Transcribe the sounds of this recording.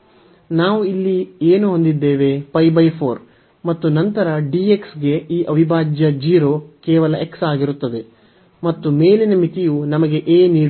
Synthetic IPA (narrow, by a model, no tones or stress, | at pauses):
naːʋuilːieːnuɦond̪id̪ːeːʋe̞pɐjbɐjpʰo̞ːɾ | mɐt̪ːunɐnt̪ɐɾɐɖiːe̞ksɡe̞iːʔɐʋibʱaːd͡ʒjɐd͡ʒiːɾo̞ːkɛːʋɐlɐʔe̞ksaːɡiɾut̪ːɐd̪e̞ | mɐt̪ːume̞ːlinɐmit̪ijunɐmɐɡe̞ʔeːniː